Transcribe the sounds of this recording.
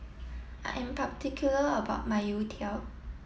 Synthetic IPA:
ʔa̰ʔɛ̃mpʰaptikʰjuləəbaʊt̚maɪjutʰɛl

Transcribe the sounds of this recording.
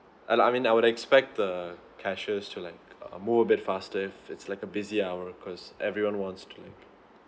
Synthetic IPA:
ʔaaɪmĩnaɪwʊɾɛkspɛk̚t̚ðə | kʰæʃəztʰulaɪkʌ̰muvəbɪtfastəɪfɪtslaɪkəbɪziawəkʰɔzʔɛvɹiwɔ̃nwɔ̃ntstʰulaɪk

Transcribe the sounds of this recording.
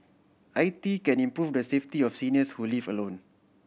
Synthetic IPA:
ʔajtikɛ̃nĩmpɹufdəseftiɔfsiniəshulivəlõn

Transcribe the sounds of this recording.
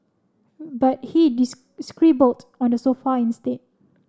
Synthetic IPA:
bat̚hidis | skɹibəltɔ̃ndəsofaĩnstet̚

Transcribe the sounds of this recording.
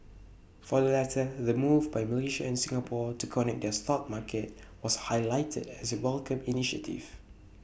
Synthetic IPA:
fɔdəlɛtʰəðəmuvbajməliʃa̰ɛ̃nsĩŋəpʰɔtukʰɔnɛk̚dɛst̪ɔt̚makʰət̚ | wɔshaɪlaɪtʰə̰dɛsəwɛlkə̃miniʃə̰tʰḭv

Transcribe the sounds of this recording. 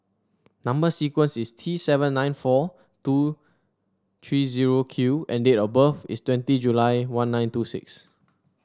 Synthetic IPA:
nãmbəsikwə̃nsistʰɹisɛvə̃nːãɪ̃nfɔ | tu | t̪ʰɹiziɹokʰjuʔɛ̃ndetɔbəfḭstwɛ̃ntid͡ʒulaɪwãnːãj̃ntusɪ̰ks

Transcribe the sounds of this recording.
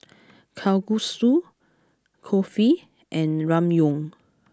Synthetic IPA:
kʰawɡusu | kʰɔfi | ʔɛ̃nɹãmjɔ̃ŋ

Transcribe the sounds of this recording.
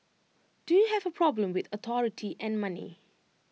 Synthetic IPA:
d̥ujuɦɛvəpʰɹ̥ɔblə̃mwɪθət̪ʰɔɹɪtʰiʔɛ̃nmanḭ

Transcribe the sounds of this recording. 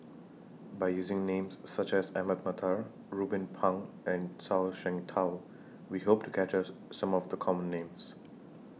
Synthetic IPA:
baɪjuːzɪ̃ŋnẽːmsːʌt͡ʃɛzæməd̪̚mət̪ʰaɹ | ɹubɪ̃npʰʌ̃ŋ | ɛ̃nsaʊʃɛ̃ŋtʰaʊ | wiɦoːp̚tʰu̥kʰæt͡ʃəsʌ̃mɔvd̪əkʰɔmə̃nːẽːms

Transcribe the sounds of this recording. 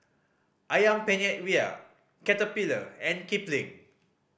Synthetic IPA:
ʔajãmpɛ̃nɛt̚wia̰ | kɛtəpilə̰ɛ̃nkiplĩŋ

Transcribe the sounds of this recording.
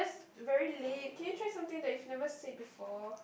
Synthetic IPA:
asvɛɹilet̚kʰɛ̃njutʰɹasãmt̪ɪ̃ŋdɛt̚ufnɛvəsed̚bifɔ

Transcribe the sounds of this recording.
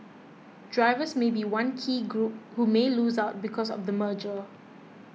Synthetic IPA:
d̥ɹaɪvəsmebiwãnkʰiːɡɹup̚humelusaʊt̚bikʰɔsɔ̰fdəməd͡ʒə

